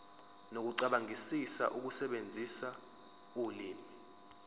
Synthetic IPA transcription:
nok̬uǀaɓaŋʱisisa̰ʔuk̬usɛɓend͡zʱisa | uliːmi

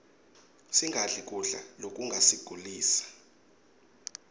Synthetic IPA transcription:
siŋʱaɮik̬ʼuɬa̰lok̬ʼuŋɡʱasiɡ̥ʱuliːsḁ

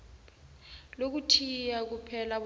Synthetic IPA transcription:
lok̬utʰijak̬upʰɛlaɓ

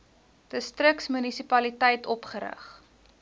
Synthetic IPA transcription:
d̥əstrəksmynisipɐlitɛjtʰɔpχəɾə̰χ

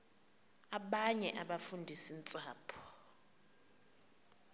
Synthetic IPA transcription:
aɓaɲɛʔaɓafundʱisint͡sʼaːpʰɔ̥

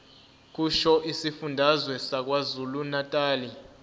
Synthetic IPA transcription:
k̬ʼuʃɔʔisifundʱazwɛsak̬wazulunatʼaːli

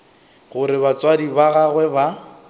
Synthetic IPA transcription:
ɣʊɾɪβat͡swadibaɣaɣwɛba

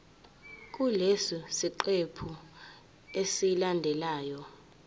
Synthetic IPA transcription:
k̬ʼulesisiǃepʰu | esilandʱɛlaːjɔ

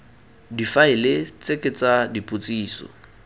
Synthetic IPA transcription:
difaɪlɪt͡sʼekʼet͡sʼadipʼʊt͡sʼiːsɔ̰

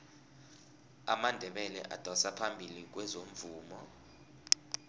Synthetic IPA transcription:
amandʱɛɓɛlɛ̰ʔa̰d̥ʱɔsapʰambʱilik̬wɛzom̩vuːmɔ

